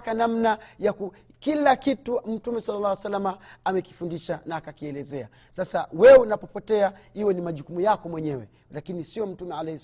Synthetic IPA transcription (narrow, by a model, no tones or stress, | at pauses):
kanam̩najaku | kilakitum̩tumɛsalːalːaːwasalːamaamɛki̥fundiʃanaːkakiɛlɛzɛa̰ | sasawɛunapɔpɔtɛahiwɛnimaʄukumujakɔmwɛɲɛwɛ | lakinisiɔm̩tumɛalɛhis